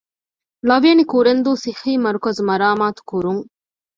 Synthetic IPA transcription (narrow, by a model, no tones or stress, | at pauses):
lɐʋijɐnikuɾend̪uːsixiːmɐɾukɐzmɐɾaːmaːt̪u̥kuɾuŋ